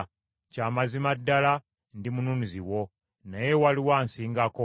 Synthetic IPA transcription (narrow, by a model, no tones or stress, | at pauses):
caːmazimadːala | ndimununiziwo̞ | naje̞waliwaːnsiːŋɡako